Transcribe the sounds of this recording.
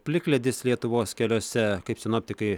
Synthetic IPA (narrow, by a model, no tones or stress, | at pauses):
pʲlʲɪklʲɛd̪ʲɪslʲiɛt̪ʊʋoːskʲɛlʲoːsʲɛkɐɪpsʲɪnoːp̚ʲt̪ʲɪkɐɪ